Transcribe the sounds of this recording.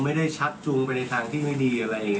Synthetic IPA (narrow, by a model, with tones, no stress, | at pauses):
ma˥˩jda˥˩jt͡ɕʰa˦˥p̪̚t͡ɕu˧ŋpa˧jna˧jt̪ʰaː˧ŋt̪ʰiː˥˩ma˥˩jdiː˧ʔa˧ɾa˧jʔiː˨˩ŋ